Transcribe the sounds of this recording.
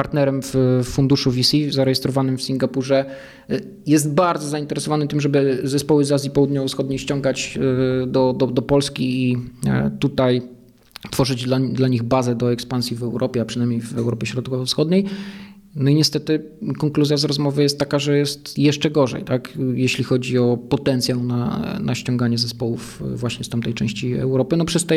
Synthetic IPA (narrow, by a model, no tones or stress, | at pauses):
paɾt̪nɛɾɛmffund̪uʂuvʲisʲizaɾɛjɛst̪ɾɔvanɘmfsʲiŋɡapuʐɛ | jɛst̪̚baɾd̪zɔzaint̪ɛɾɛsɔvanɘt̪ɘmʐɛbɘzɛspɔwɘzazʲjipɔwud̪ɲɔvɔfsxɔd̪ɲejɕt͡ɕɔŋɡat͡ɕd̪ɔd̪ɔd̪ɔpɔlskʲiːt̪ut̪aj | t̪fɔʐɘd͡ʑd̪lad̪laɲiɣbazɛd̪ɔɛkspansʲjivɛwɾʔɔpʲɛapʂɨnajmɲejvɛwɾɔpʲjɛɕɾɔt̪kɔvɔfsxɔd̪ɲej | nɔiɲɛst̪ɛt̪ɘ | kɔŋkluzʲjazɾɔzmɔvɘjɛst̪ːakaʐɛjɛst̪jɛʂt͡ʂɛɡɔʐɛ̰jt̪akjɛɕlʲixɔd͡ʑiɔpɔt̪ɛnt̪sʲjawna̰nʔa̰ɕt͡ɕɔŋɡaɲɛzɛspɔwufvwaɕɲɛst̪amt̪ɛjt͡ʂɛ̰̃w̃ɕt͡ɕiɛ̰wɾɔpɘnɔpʂɛst̪ɛ